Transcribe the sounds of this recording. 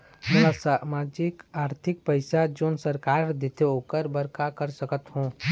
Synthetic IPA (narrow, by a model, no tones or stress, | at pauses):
melasamaːd͡ʒɪkaːɾt̪ʰɪk̚pəɪsad͡ʒoːnsəɾkaːɾd̪et̪eoːkəɾbəɾkakəɾsəkət̪ɦũː